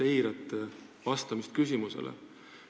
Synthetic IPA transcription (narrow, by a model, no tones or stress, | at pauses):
e̞jɾɑt̪ːˑevɑst̪ɑmist̪̚kys̬ʲimuse̞̰lʔḛ